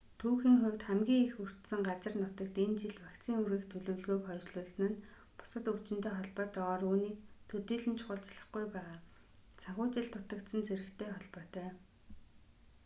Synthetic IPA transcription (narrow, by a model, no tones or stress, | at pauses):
t̪ʰuːxiːŋχʊwʲt̪χæmɡʲiːŋexur̥t̪sɘ̆ŋɢat͡sə̆rnʊt̪ə̆kt̪ent͡ɕiɮpakt͡siːŋuɾiːkt̪ʰɵɮɵ̆wɮɣoːkχœːt͡ɕɮʊːɮsɘ̆nɘ̆n | pʊ̥sə̆t̪ɵ̥t͡ɕɪ̆nt̪eːχɔɮpɔːt̪ɔʁɔːruːniːk̚t̪ʰɵt̪iːɮɘ̆nt͡ɕʰχʊːɬt͡sɮə̆χɡujpæːʁaː | t͡sʰaxʲʊːt͡ɕɪ̆ɬt̪ːʊt̪ə̆kt̪sə̆nt͡sʰeɾɘ̆kt̪ʰeːχɔɮpɔːt̪œː